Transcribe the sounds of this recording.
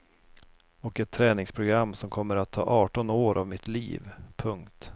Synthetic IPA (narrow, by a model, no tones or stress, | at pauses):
ɔkɛt̪ʰːɾɛːnɪŋspʰɾʊɡɾamːsɔmkʰɔmːəɾat̪ʰːɑ̰ːʔɑːʈɔnoːɾʔavmɪt̪lḭːvpʰɵŋkt̪